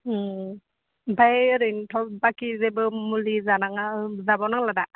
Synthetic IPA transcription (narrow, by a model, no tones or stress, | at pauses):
bajɾɯjntʰɔbakizebɯmulizanaŋazabawnaŋlada